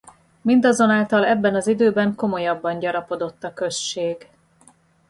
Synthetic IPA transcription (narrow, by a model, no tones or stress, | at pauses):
mind̪ɒzo̞naːlt̪ɒlɛbːɛnɒzid̪øːbɛŋko̞mo̞jɒbːɒɲɟɒɾɒpo̞d̪o̞t̪ːɒkø̞ʃt͡ʃːeːɡ